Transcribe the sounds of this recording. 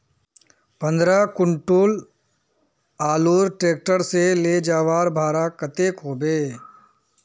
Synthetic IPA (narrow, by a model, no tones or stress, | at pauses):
pə̃nd̪ɾakʊɳʈoːl | aːluːɾʈɾeːk̚ʈəɾseleːd͡ʒaːʋaːɾbʱaːɾakət̪eːkɦoːbeː